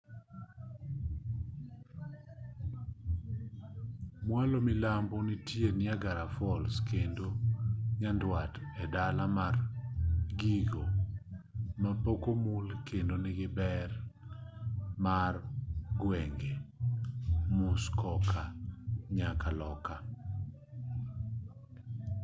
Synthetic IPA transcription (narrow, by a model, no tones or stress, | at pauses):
mwalomɪlambɔnitjenɪaɡaɾafɔlskendoɲandwatɛdalamar | ɡiɡo | mapokomʊlkendonɪɡɪbɛr | marɡwɛŋɡe | mʊskɔkʰaɲakalɔka